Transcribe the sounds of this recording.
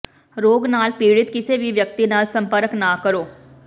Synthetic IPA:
ɾoːɡnaːlpiːɽɪt̪kɪseʋʱiʋjək̚t̪inaːlsə̃mpəɾəknakəɾoː

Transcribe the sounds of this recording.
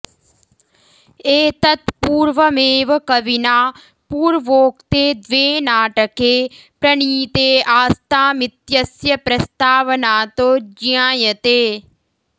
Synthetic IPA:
eːt̪ɐt̪puːɾʋəmeːʋəkɐʋinaː | puːɾʋoːkt̪eːd̪ʋeːnaːʈəkeːpɾɐɳ̃iːt̪eːaːst̪aːmɪt̪jɐsjɐpɾɐst̪aːʋnaːt̪oːd͡ʒiãːjət̪eː

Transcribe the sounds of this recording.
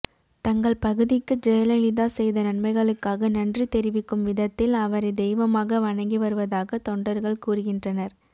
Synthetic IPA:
t̪ɐŋɡɐɭpɐɣɯðɪkːɯd͡ʒɛjɐlɐlɪðaːsɛjðɐnɐnmɐɪɣɐɭɯkːaːɣɐnɐndrit̪ɛɾɪʋɪkːɯmʋɪðɐt̪ːɪlɐʋɐɾɐɪd̪ɛjʋɐmaːɣɐʋɐɳɐŋɡiʋɐɾɯʋɐðaːɣɐt̪ɔɳɖɐɾɣɐɭkuːrɯɣɪndrɐnɐɾ

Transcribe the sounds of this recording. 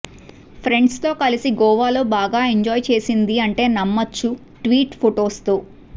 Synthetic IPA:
pʰɾe̞ɳɖst̪o̞ːkɐlisiɡɔːʋaːlo̞ːbaːɡaːeɲd͡ʒɔːjt͡ʃe̞ːsind̪iɐɳʈe̞ːnɐmːɐt͡ʃːu | ʈʋiːʈpʰoʈo̞ːst̪oː

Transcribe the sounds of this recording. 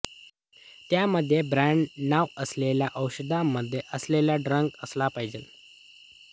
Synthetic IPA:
t̪jaməd̪ʱːjebɾaɳɖnaʋəsleljaʔəwɕəd̪ʱamːəd̪ʱːjeʔəsleljaɖɾəŋkəslapaɦid͡ʑel

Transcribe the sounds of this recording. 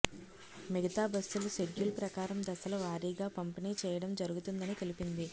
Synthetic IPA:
miɡɐt̪aːbɐsːuluseɡjulpɾɐkaːɾɐmd̪ɐsɐlɐʋaːɾiːɡaːpɐmpiniːt͡ʃɛːjɐɽɐmd͡ʒɐɾuɡut̪und̪ɐnit̪elipind̪i

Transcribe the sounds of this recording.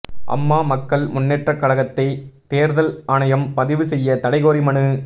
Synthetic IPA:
ʔɐ̰mːaːmɐkːɐɭmʊnːeːʈrɐkːɐɭɐɣɐt̪ːɐɪt̪eːɾðɐlaːnɐjɐmpɐðɪʋɯsɛjːɐt̪ɐɽɐɪɣoːɾɪmɐɳɯ

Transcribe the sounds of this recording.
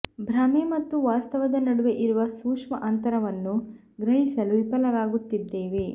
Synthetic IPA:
bʱɾɐmemɐt̪ːuʋaːst̪ɐʋɐd̪ɐnɐɽuʋe̞ʔiɾuʋɐsuːkʂmɐʔɐnt̪ɐɾɐʋɐnːu | ɡɾɐɦisɐluʋipɐlɐɾaːɡut̪ːid̪ːe̞ːʋe̞

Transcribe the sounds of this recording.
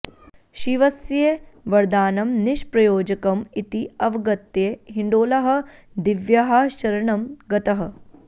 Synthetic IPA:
ʃiʋɐsjeʋɐɾd̪aːnɐmniʃpɾɐjoːd͡ʒɐkɐmit̪iɐʋɐɡɐt̪ːjeɦiɳɖoːlɐɦɐ̆ | d̪iʋjɐɦɐʃɐɾɐɳɐmɡɐt̪ɐɦɐ̆

